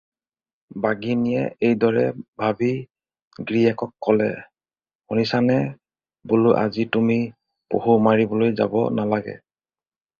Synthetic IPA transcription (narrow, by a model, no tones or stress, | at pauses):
baɡinijɛ̰ejdɔɹɛbʱabi | ɡɹiɛkɔkːɔlɛ̰ | onisanɛ | bʊlʊʔa̰zitumi | po̰humaɹibɔlojza̰bɔ̰nalaɡɛ̰